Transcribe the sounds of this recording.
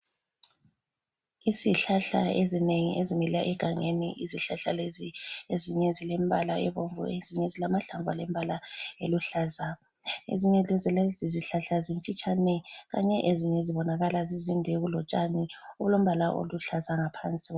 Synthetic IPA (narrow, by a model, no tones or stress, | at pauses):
iziɬaɬa̰ezineŋḭʔeziŋilaʔɛɡ̥ʱaŋeniʔiziɬaɬalezieziɲɛzilɛmbʱa̰laʔɛβoɱvṵeziɲɛzilamaɬaɱvʱalɛmbʱalaeluɬaːza | ḛziɲɛzɛzilziziɬaɬaziɱfit͡ʃʼanɛɣa̰ɲɛʔeziɲɛziβɔnaɣalazizindʱɛɣulɔt͡ʃʼaniulom̩βalaʔo̰luɬazaŋapʰant͡sʼi